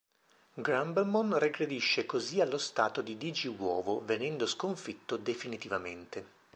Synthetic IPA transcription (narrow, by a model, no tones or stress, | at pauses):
ɡɾambɛlmonreɡɾed̪iʃːekozialːost̪aːt̪od̪id̪id͡ʒiwɔ̰ːvovenɛnd̪oskoɱfit̪ːod̪efinit̪ivament̪e